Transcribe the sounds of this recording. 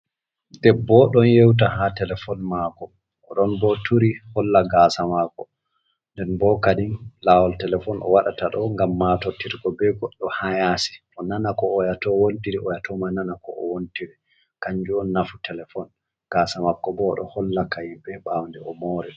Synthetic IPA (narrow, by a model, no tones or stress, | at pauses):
dɛbːɔɗɔnjewt̬aɦatɛlɛfɔnmakɔː | ɗɔnbɔtʰuɾihɔlːaɡasamakɔ | ndɛnbɔkadinlawɔltɛlɛfɔnʔɔ̰waɗataɗɔŋɡamːaːtɔtiɾɡɔbɛɡɔɗːɔhajasi̥ʔɔnanakɔːjatɔwontiɾɛɔjatʰɔmananakɔɔwontiɾɛ | kaɲd͡ʒuɔnːafutɛlɛfɔn | ɡ̥aːsamakːɔbɔɗɔ̰hɔlːakajimbɛbawndɛɔmɔːɾɛ